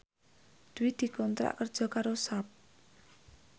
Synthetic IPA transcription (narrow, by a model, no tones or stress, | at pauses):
d̪̥wid̪̥i̤kɔnt̪ɾa̰ʔkərd͡ʒɔkaɾosap̚